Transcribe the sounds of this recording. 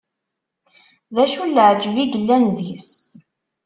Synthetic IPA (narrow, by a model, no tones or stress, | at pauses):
ðæʃulːəʕd͡ʒviɡəlːænðis